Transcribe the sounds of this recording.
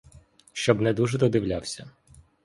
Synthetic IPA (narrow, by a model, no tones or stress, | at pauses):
ʃt͡ʃɔbnɛd̪uʒɛd̪ɔd̪ɪwlʲawsʲɐ